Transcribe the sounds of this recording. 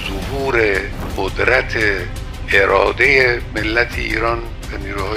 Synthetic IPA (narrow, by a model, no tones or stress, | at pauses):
zohuːɾe | ɢod̪ɾæt̪ʰe | eɾʔɒːd̪ejemelːæt̪ʰḛḭːɾɒːn | væniːɾuːhɒː